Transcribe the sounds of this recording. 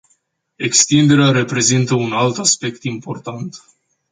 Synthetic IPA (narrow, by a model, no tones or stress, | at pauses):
e̞kst̪ind̪e̞ɾeaɾepɾe̞zint̪əunalt̪aspe̞kt̪impo̞rt̪ant̪